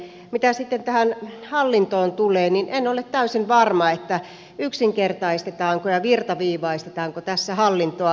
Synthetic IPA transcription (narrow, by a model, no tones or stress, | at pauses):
mit̪æsit̪ːent̪æhænhɑlːint̪oːnt̪uleːninʔenolet̪t̪æysinʋɑrmɑet̪ːæ | yksiŋkert̪ɑist̪et̪ɑːŋkojɑʋirt̪ɑʋiːʋɑist̪et̪ɑːŋkot̪æsːæhɑlːint̪oɑ